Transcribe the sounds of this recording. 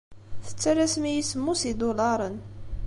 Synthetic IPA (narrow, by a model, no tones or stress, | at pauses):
θə̥t͡sːæɾæsmijisəmːusid̪olɑɾˤən